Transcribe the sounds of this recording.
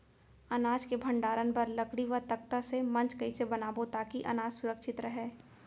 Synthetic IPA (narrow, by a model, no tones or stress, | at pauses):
ɐnaːd͡ʒkebʱɐ̃ɳɖaːɾənpɐɾlɐkɽiʋəɾt̪ɐk̚t̪asemɐ̃nt͡ʃkɐisebɐnaːbot̪aːkiʔɐ̰naːd͡ʒsʊɾəkʃɪt̪ɾɐɦɛː